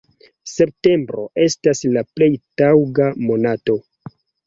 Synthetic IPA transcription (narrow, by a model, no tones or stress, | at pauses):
se̞p̚te̞mbɾo̞̰ʔe̞staslaple̞jtawɡamo̞nato̞